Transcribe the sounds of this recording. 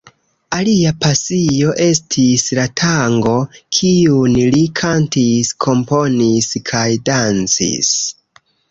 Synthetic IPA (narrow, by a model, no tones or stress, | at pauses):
aliapasio̞ʔe̞stʰislatʰaŋɡo̞kʰiunlikʰantiskʰo̞mpo̞niskʰajdant͡sḭs